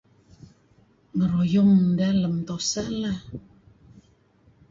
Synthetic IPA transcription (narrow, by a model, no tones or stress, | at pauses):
ŋəɾɔjɔməndaləmt̪ɔsala